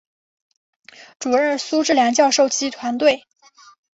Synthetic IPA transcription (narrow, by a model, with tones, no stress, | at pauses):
ʈ͡ʂu˨˩ɻə˥˩nsu˥ʈ͡ʂɻ̩˥˩ljɑ˧˥ŋt͡ɕjɑ˥˧ʊʂo˥˩ʊt͡ɕi˥t̪ʰwa˧˥nt̪we˥˩ɪ